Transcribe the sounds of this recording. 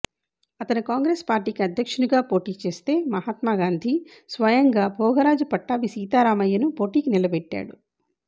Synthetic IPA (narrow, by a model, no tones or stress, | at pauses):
ɐt̪ɐnikaːŋɡɾeːspaːɾʈiːkiɐd̪ʱjɐkʂɐnuɡaːpo̞ːʈiːt͡ʃe̞ːst̪e̞ːmɐɦaːt̪maːɡaːnd̪ʱisʋɐjɐŋɡaːbʱɔːɡʱɐɾaːd͡ʒupɐʈːaːbisiːt̪aːɾaːmɐjːɐnupo̞ːʈiːkinilɐbɛʈːa̰ːɽu